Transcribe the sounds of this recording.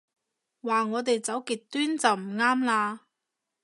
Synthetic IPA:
waː˨˩ŋɔː˨˧t̪̬e˨jt͡sɐ˨˥wkiː˨˩t̚t̪yː˥nt͡sɐ˨wm̩˨˩ŋaː˥mlaː˧

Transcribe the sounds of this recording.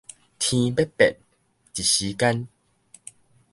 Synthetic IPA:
t̪ʰĩ˧be˦pɛ̰˨t̚ | t͡ɕi˨˩ɕi˨˦ka˦n

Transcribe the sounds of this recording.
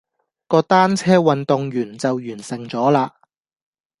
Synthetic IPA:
kɔː˧t̪aː˥nt͡sʰɛː˥wɐ˨nt̪ʊ˨˧ŋjyː˨˩nt͡sɐ˨wjyː˨˩nsɪ˨˩ŋt͡sɔː˨˥laː˧

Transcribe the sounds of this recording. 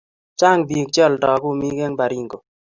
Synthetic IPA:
t͡ʃa˦˨ŋbi˨kt͡ʃɔ˦˨ldɔ˨ɡu˦mi˦ɡe˦ŋba˨ɾi˦ŋɡo˨

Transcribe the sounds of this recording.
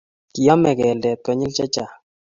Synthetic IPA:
ki˨ja˦mɛ˨ɡɛ˨ldɛ˨t̪ɔ˨ɲɪ˦lt͡ʃa˦t͡ʃa˨

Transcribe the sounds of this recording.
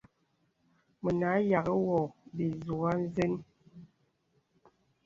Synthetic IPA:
mə˨na˨˦ja˨ɣə˦wɔ˨bi˨zu˨a˦n˦ze˦n

